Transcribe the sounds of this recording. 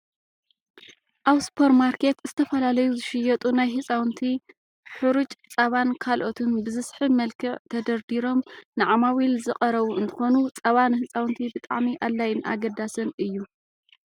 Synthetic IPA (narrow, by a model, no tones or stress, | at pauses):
ʔaβspʰo̞ɾmaɾkʰe̞t̪zɨt̪ʰɐfɐlalɐjuzɨʃɪjɐt̪ʼunajhɨt͡sʼawnt̪ʰi | ħɨɾut͡ʃʼt͡sʼɐβankʰalʔo̞t̪ʰunbɨzɨsħɨmɐlkʰɨʕt̪ʰɐd̪ɐɾd̪iɾo̞mnɨʕamawilzɨχʼɐɾɐβuɨnt̪ʰɨ̥xo̞nut͡sʼɐβanhɨt͡sʼawnt̪ʰibɨt̪ʼaʕmiʔalːajɪnʔa̰ɡɐd̪asɨnʔɨjːu